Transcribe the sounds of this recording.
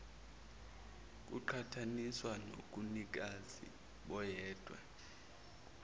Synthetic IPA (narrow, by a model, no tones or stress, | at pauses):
k̬ʼuǃʰatʰaniswano̰k̬ʼunik̬azḭ | ɓɔjɛːd̥ʱwɛ̰